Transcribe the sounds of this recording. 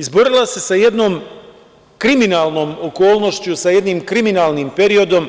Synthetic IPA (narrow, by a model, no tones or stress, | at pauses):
izbo̞ɾilˠase̞saje̞d̪no̞ːm | kɾiminaːlˠno̞ːmoko̞ːlˠno̞ʃt͡ɕusaje̞d̪niːmkɾiminaːlˠnimpe̞ɾio̞d̪o̞m